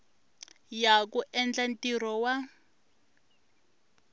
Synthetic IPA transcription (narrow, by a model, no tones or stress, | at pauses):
jakuʔɛnd͡ɮantirɔwa